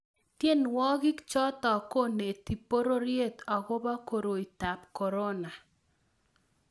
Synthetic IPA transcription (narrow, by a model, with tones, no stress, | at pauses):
tje˦nwɔ˦ɡɪ˦kt͡ʃɔ˦t̪ɔ˨ko˦ne˨ti˨po˦ɾo˦ɾje˦t̪ɔ˨ɡɔ˦ba˦ko˨ɾo˨i˨ta˨pkɔ˨ɾo˦na˨